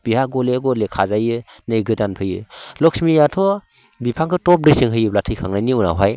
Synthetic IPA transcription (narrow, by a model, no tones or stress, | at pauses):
b̥ihaɡɔleɡɔlekʰazajɯ | nɯjɡɯdanpʰɯjɯ̰lɔksmijatʰɔ | bipʰaŋkɯtɔp̚ɾisɯŋɦɯjɯblatʰɯjkʰaŋnajniuna̰wɦaj